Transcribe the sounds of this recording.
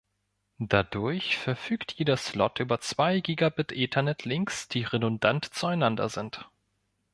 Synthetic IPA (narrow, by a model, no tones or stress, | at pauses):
d̥adʊɐçfɛɐfyːktʰjeːdɐslɔtʔyːbɐt͡sv̥aɪɡiːɡabɪtʔɪntʰɐnɛtʰlɪŋksd̥iːʁedʊndantt͡suaɪnandɐ̰zɪnt